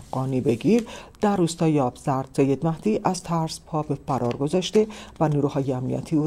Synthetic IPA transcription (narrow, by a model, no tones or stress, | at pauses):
ɢɒːniːbe̞ɡiːɾd̪̥æɾːuːst̪ɒːjeɒːbz̥æɾd̪̥sejːe̞d̪mæhd̪̥iːʔæzt̪ʰæɾspʰɒːbefæɾʔɒːɾɡo̞zɒːʃt̪e̞væniːɾuːhɒːjeæmnḭʔæ̰t̪ʰiːuː